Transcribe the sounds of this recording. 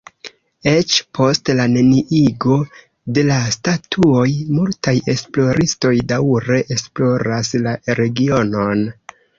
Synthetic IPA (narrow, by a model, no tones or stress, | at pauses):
e̞t͡ʃpʰo̞stlane̞niʔiɡo̞ | de̞lastatʰuo̞jmultaje̞splo̞ɾʔisto̞jdawɾe̞ʔesplo̞ɾaslaɾe̞ɡio̞no̞n